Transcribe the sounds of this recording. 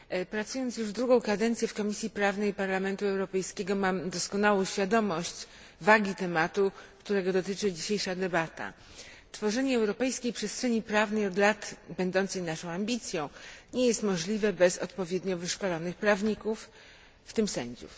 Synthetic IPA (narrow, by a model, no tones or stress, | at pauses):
pɾat̪sujɔnt̪sjuʐvd̪ɾuɡɔ̃w̃kad̪ɛnt̪sʲjɛfkɔmʲisʲjipɾavnɛjpaɾlamɛnt̪uɛwɾɔpɛjskʲeɡɔmamd̪ɔskɔnawɔ̃w̃ɕfʲjad̪ɔmɔɕt͡ɕ | vaɡʲit̪ɛmat̪ukt̪uɾɛɡɔd̪ɔt̪ɘt͡ʂɘd͡ʑiɕejʂad̪ɛbat̪a̰ | t̪fɔʐɛɲɛɛwɾɔpɛjskʲejpʂɛstʂɛɲipɾavnɛjɔd̪lat̪bɛnd̪ɔnt̪sɛjnaʂɔ̃w̃ambʲit̪sʲjɔ̃w̃ɲɛjɛst̪mɔʐlʲivɛbɛsɔ̰t̪pɔvʲjɛd̪ɲɔvɘʂkɔlɔnɘxpɾavɲikufː | t̪ɘmsɛ̰ɲd͡ʑṵ